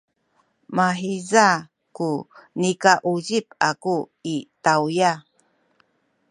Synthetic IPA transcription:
maħiza | kunikaʔuɟip̚aku | itawja

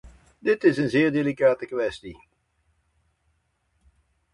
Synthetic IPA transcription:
dɪtɪsənzɪːɹdelikaːtəkʋɛsti

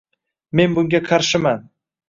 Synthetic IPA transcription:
me̞nbʊŋɡʲaqʰɑɾʃɪman

